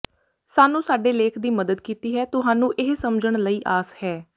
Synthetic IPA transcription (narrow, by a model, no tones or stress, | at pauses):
saːnũːsaːɖeːleːkʰd̪iːməd̪əd̪kiːt̪iːɦɛːt̪ʊɦãːnũːʔɪɦsəmd͡ʒəɳləiːʔaːshɛː